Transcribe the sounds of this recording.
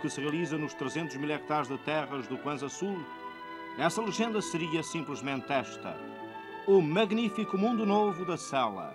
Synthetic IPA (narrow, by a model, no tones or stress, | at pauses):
kɨsɨʁiɐlˠizɐnuʃt̪ɾɨzẽnt̪uʒmilˠɛk̚t̪aɾʒðɨt̪ɛʁɐʒðukwɐ̃zɐsulˠ | nɛsɐlˠɨʒẽnd̪ɐsɨɾiɐsĩmplˠɨʒmẽnt̪ɛʃt̪ɐ̰ | umɐɣnifikumũnd̪unovuðɐsɛlˠɐ̰